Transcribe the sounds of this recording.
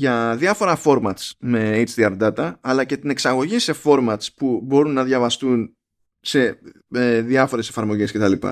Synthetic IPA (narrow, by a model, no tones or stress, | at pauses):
ʝɐðiɐfo̞ɾɐfo̞ɾmɐt̪sme̞ejt͡ʃðiɐɾd̪ɐt̪ɐːlɐce̞t̪ine̞ksɐɣo̞ʝise̞fo̞ɾmɐt̪spubo̞ɾunːɐðʝɐvɐst̪un | se̞ | eðiɐfo̞ɾe̞sefɐɾmo̞ʝe̞sce̞t̪ɐlipɐ̰